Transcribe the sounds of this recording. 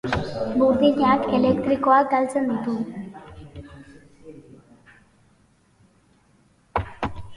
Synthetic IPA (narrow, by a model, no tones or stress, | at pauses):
buɾðiɲakelekt̪ɾikoak̚ɡ̪alt͡send̪it̪u